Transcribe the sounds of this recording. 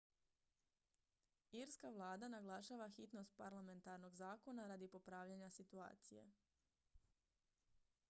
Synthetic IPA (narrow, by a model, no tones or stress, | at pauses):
iɾskaʋlˠaːd̪anaɡlˠaʃaːʋaxit̪no̞st̪̚paɾlame̞nt̪aɾno̞ɡzaːko̞naɾaːd̪ipo̞pɾaːʋʎaɲasit̪ua̰ːt̪sije̞̰